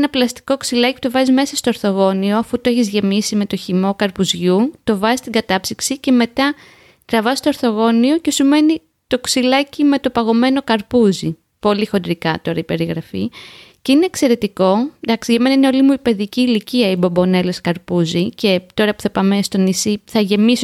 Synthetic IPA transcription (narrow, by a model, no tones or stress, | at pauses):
nɐplɐst̪i̥ko̞ksilɐciput̪o̞vɐzizme̞sɐst̪o̞oɾθo̞ɣo̞nio̞ɐfut̪oe̞çizʝe̞misime̞t̪o̞çimo̞kɐɾpuzʝut̪o̞vɐzist̪iɡɐt̪ɐpsiksice̞me̞t̪ɐ | t̪ɾɐvɐsst̪o̞oɾθo̞ɣo̞nio̞ce̞sume̞ni | t̪o̞ksilɐcime̞t̪o̞pɐɣo̞me̞no̞kɐɾpuzi | po̞lixo̞nd̪ɾikɐt̪o̞ɾɐipe̞ɾiɣɾɐfḭceineːkse̞ɾe̞t̪iko̞d̪ɐksiʝɐme̞nɐineo̞limuipe̞ðiciːliciɐibobo̞ne̞leskɐɾpuzice̞t̪o̞ɾɐpu̥θɐpɐmest̪o̞nisiθɐʝe̞miso